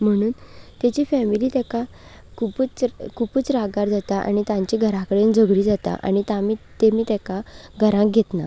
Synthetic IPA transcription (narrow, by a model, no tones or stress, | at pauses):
m̤əɽ̃uːnt̪jat͡ɕiːfɛmiliːt̪ɛka | kʰuput͡skʰupuːt͡sɾaɡaɾd͡zat̪aʔa̰ɽ̃it̪jãɲt͡ɕiːɡʱəɾakəɽend͡zəɡɽiːd͡zat̪a̰ʔa̰ɽ̃it̪amit̪emiːt̪ɛkaɡʱəɾãkɡʱet̪na